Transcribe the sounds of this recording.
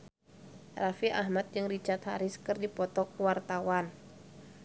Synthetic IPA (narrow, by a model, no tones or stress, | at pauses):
rafiʔahmat̪̚d͡ʒɨŋrit͡ʃart̪̚haɾɪskɨrdipɔt̪ɔkuwart̪awan